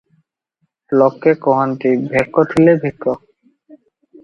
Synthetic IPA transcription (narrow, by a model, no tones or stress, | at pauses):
lɔkːekɔɦont̪ibʱekːot̪ʰilebʱikːo